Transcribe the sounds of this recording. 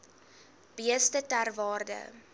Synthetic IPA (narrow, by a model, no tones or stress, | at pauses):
b̥iəstətærvɑːrdə̰